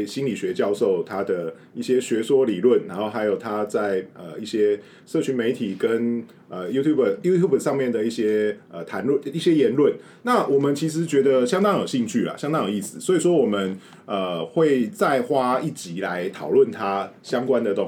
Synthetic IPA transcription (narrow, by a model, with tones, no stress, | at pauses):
ɕi˥nli˨˩ɕɥɛ˧˥t͡ɕjɑ˥˧ʊʂo˥˩ʊt̪ʰa˥d̪ə˨ | i˥˩ɕjɛ˥ɕɥɛ˧˥swɔ˥li˨˩lwə˥˩nɻa˧˥nxo˥˩ʊxa˧˥ɪjo˨˩ʊt̪ʰa˥t͡sa˥˩ɪə˨˩i˥˩ɕjɛ˥ | ʂɤ˥˩t͡ɕʰy˧˥nme˧˥ɪt̪ʰi˨˩kə˦n | ə˩ju˥t̪ʰju˥˩bə˩ju˥t̪ʰju˥˩bə˨˩ʂɑ˥˧ŋmjɛ˥˩nd̪ə˩i˥˩ɕjɛ˥ə˨˩t̪ʰa˧˦˥nlə˥˨ni˥˩ɕjɛ˥jɛ˧˥nlwə˥˨n | na˥˨wʔɔ˨˩mə˨˦nt͡ɕʰi˧˥ʂ̬ɻ̩˨˦t͡ɕɥɛ˧˥d̪ə˨˧ɕjɑ˥ŋt̪ɑ˥ŋjo˨˩ɕi˥˧ŋt͡ɕʰy˥˩lɐ̰˩ɕjɑ˥ŋt̪ɑ˥ŋjo˨˩˦i˥˩sɹ̩˨˩swɔ˧˥i˨ʂ̬wɔ˥wɔ˨˩mə˦n | ə˨˩xwe˥˧ɪt͡sa˥˩ɪxwa˥i˥˩t͡ɕi˨˥la˧˦ɪt̪ʰɑ˨˩ʊlwə˥˩nt̪ʰa˥ɕjɑ˥ŋkwa˦nd̪ə˨t̪o˥˧ŋ